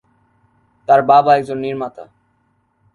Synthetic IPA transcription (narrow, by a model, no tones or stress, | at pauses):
t̪aɾbabaɛkd͡ʑonːiɾmat̪a̰